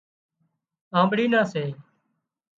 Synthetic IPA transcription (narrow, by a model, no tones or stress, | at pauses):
ãːmbɽiːnãːseː